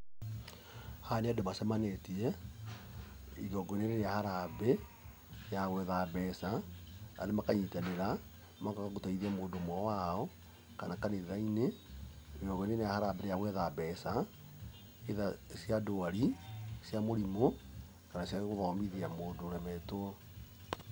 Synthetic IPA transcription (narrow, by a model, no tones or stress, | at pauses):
haneadomasɛmanetiɛ | iɣɔɡoineɾeɾeahaɾabe | jaɣwɛðabɛsaa̰ðemakaɲitaneɾa | maɡakaɣotaiðiamoːdomwawaɔ | kanakaneðaine | ɣɔɡɔinenejahaɾabeɾejaɣwɛðabɛsa | eðasjadoaɾisjamoɾimo | kanasjaɣoðɔmiðiamoːdoɾɛmɛtoɔ